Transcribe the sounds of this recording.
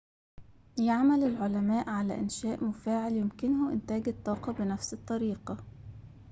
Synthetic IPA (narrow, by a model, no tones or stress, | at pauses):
jaʕmælɪlʕolæmæːʔʕalæ̰ʔɪnʃæːʔmʊfaːʕɪljʊmkɪnhʊmʔɪnt̪æːɡɪt̪ˤːɑːqɑbɪnæfsɨt̪ˤːɑɾiːqɑ